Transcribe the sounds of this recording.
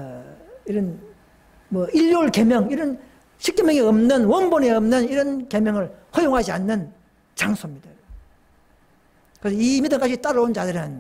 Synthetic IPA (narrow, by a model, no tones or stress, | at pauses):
iɾʌn | mwʌiʎːoɭke̞mjʌŋiɾʌn | ɕʰik̚t͡ɕ͈emjʌŋeʌmnɯnwʌnbone̞ʌmnɯniɾʌnke̞mjʌŋɯɭhʌjoŋɦad͡ʑianːɯn | t͡ɕaŋsʰomɲid̥a | kɯɾesʰʌimidɯŋk͈ad͡ʑit͈aɾʌnt͡ɕadɯɾɯn